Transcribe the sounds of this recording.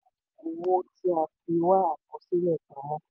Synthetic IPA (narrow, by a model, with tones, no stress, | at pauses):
o˨wo˧ti˧a˧fi˧wa˦a˨kɔ˧si˦lɛ˦˨kã˨˦wɔ̃˦